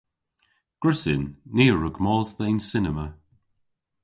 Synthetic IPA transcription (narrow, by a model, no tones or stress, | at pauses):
ɡ̥ɹɪsɪnːiːəɹəɡmɔːlˠzðejnsɪnəmə